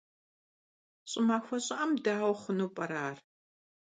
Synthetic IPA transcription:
ɕʼɪmaːxʷɐɕʼɪʔɐmdaːwχʊnuːpʼɐɾaːr

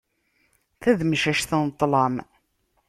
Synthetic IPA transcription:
θæðməʃæʃθənt̪ˤːlɑm

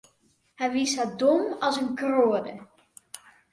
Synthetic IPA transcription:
hɛjʋisadomɑlˠsənkroədə

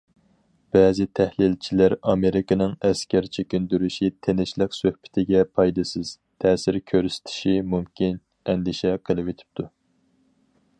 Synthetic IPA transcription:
b̥ɛːzɪt̪ʰɛhlɪlt͡ʃʰilæɾɑmeɾɪkɨnɪŋɛskʲæɾt͡ʃʰekʲynd̪yɾyʃit̪ʰenɪʃlɪksøhbɪ̥t̪ʰɪɡʲɛpʰɑjd̪ɨsɨz̥ | t̪ʰɛːsɪɾkʲʰøɾyst̪ʰɪ̥ʃimumkʲʰin | ɛnd̪ɪʃɛqʰəlˠɨpet̪ʰɪ̥p̚t̪ʰu

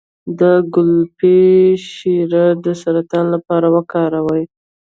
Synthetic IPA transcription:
d̪əɡʊlpeʃiɾad̪əsaɾat̪ɑnlapɑɾawəkɑɾawəj

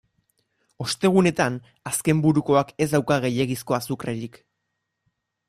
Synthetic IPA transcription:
o̞st̪e̞ɣ̞une̞t̪an | aske̞mbuɾuko̞ake̞zd̪awkaɣ̞e̞je̞ɣisko̞asukreɾik

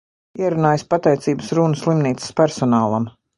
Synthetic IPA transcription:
iɛɾunaːjspat̪ɛjt̪siːbəsɾunəslˠimniːt̪sə̥spæɾsɔnaːlˠam

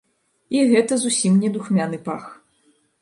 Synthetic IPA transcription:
iɣɛt̪ɐzusʲimnʲɛd̪uxmʲanɨpax

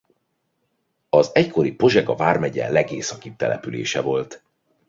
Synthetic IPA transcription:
ɒzɛckʰo̞ɾipo̞ʒɛɡɒvaːrmɛɟɛ̰lɛɡeːsɒkip̚t̪ɛ̰lʔɛpylḛːʃɛvo̞lt̪

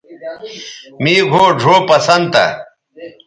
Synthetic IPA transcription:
miːɡʱoːɖʱoːpɐsɐnd̪t̪ɐ̰

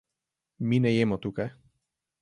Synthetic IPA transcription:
minɛjɛmot̪uka

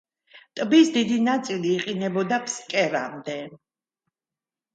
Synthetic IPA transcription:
t̪ʼbisd̪id̪inat̪sʼiliːqʼinɛbɔd̪apʰskʼɛɾa̰md̪ɛ

